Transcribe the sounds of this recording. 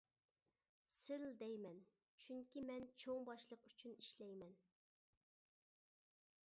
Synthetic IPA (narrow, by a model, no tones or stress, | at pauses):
sɪld̪ɛjmɛn | t͡ʃʰyŋkʲimɛnt͡ʃʰoŋbɑʃlˠəqyt͡ʃʰyniʃlɛjmɛn